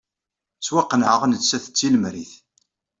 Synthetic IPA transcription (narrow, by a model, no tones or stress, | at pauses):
swaqːənʕəʁnəsæθə̥t͡sːiləmɾiθ